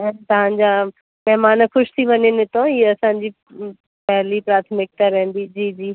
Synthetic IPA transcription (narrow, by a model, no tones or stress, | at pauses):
ɛ̃ːnt̪ɐɦãːɲd͡ʑa | mɛɦmaːnxʊʃt̪ʰiʋɐnenɪt̪õiːɐsãːd͡ʑi | pɛɦlipɾaːt̪ʰmɪk̚t̪aɾɛɦə̃n̆d̪id͡ʑiːd͡ʑiː